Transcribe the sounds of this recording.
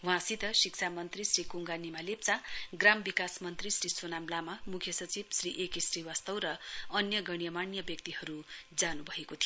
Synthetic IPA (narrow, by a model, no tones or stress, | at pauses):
w̃ãsit̪ʌsiksʰamʌnt̪risrikuŋɡanimalep̚t͡saɡrambikasmʌnt̪risrisonamlamamukʰjʌsʌt͡sibsriʔekesriwast̪ʌwɾʌʌnjʌɡʌɽjʌmanjʌbjʌk̚t̪iɦʌɾud͡zanubʱʌekot̪ʰijo